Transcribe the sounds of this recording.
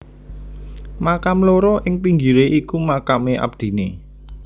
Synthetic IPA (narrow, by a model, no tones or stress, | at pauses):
makamloɾɔʔɪŋpiŋɡiɾeʔikumakameʔa̰b̚d̪̥i̤ne